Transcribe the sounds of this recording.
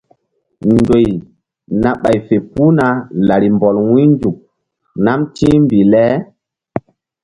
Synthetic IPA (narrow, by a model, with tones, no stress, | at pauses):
ndo˨j | na˨ɓa˨jfe˨pu˦na˨la˨ɾi˨mbɔ˨lwũ˦nd͡ʒu˨k̚ | na˦mtĩ˦mbi˨lɛ˦